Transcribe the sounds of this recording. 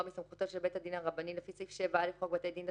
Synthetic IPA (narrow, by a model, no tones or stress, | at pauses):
misamχut̪oʃelbet̪had̪inhaʁabanilefisifʃevaalefʁoɡbat̪ed̪inda